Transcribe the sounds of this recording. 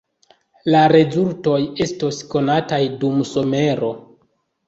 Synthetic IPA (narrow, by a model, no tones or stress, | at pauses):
laɾe̞zulto̞je̞stosko̞natajdumso̞me̞ɾo̞